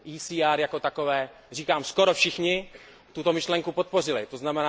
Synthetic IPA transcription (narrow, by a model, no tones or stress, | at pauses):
ʔiːsiːaɾjako̞t̪ako̞vɛː | riːkaːmsko̞ɾofʃɪxɲɪ | t̪ut̪o̞mɪʃlɛŋkupot̪̚po̞r̝ɪlɪt̪oznamɛnaː